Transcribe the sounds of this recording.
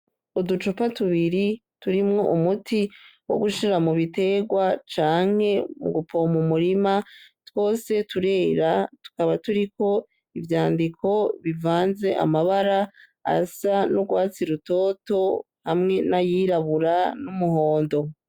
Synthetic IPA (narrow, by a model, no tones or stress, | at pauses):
udut͡ʃopatuβiɾituɾimŋo̞ʔumutʰiwo̰ɡuʃiɾamuβite̞ɡwat͡ʃaːŋ̥he̞mṵɡupʰo̞mumuɾimatwo̞ːse̞tuɾe̞ːɾatu̥kaβatuɾiko̞ | ivjaːndikʰo̞βivaːnze̞ʔa̰maβaɾa | a̰sanuɡwaːt͡siɾuto̞ːto̞ | hamŋe̞najiːɾaβuɾanumuho̞ːndo̞